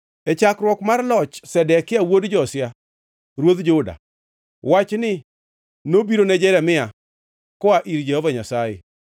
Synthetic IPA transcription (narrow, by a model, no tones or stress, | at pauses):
ɛt͡ʃakɾwɔkmarlɔt͡ʃsɛdɛkɪawodd͡ʒɔsja | ɾwod̪d͡ʒʊda̰ | wat͡ʃnɪ | nobiɾonɛd͡ʒɛɾɛmɪa | kɔaʔiɾd͡ʒɛhovaɲasajḛ